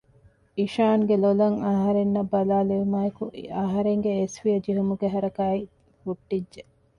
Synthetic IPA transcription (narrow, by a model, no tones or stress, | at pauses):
iʃaːŋɡelolɐŋɐɦɐɾenːɐbːɐlaːleʋimaːjekuʔɐɦɐɾeŋɡeːsʋijɐd͡ʒiɦumuɡeɦɐɾɐkaːi | huʈːidʒe